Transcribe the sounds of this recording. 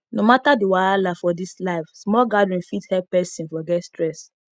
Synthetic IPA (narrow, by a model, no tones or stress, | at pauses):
nomatadiwaalafɔdislaɪfsmɔlɡadɹĩnfithɛp̚pɛsĩnfɔɡɛtstɹɛs